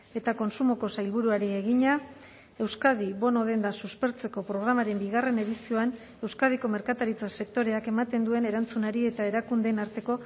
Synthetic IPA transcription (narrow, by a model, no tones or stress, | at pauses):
e̞t̪ako̞nsumo̞ko̞sajlβuɾuaɾie̞ɣiɲa | e̞wskað̞iβo̞no̞ð̞e̞nd̪asuspe̞ɾt͡se̞ko̞pɾo̞ɣ̞ɾamaɾe̞mbiɣ̞are̞ne̞ðisio̞an | e̞wskað̞iko̞me̞ɾkat̪aɾit͡sase̞k̚t̪o̞ɾe̞ake̞mat̪e̞nd̪ue̞ne̞ɾant͡sunaɾie̞t̪ae̞ɾakund̪enaɾt̪e̞ko̞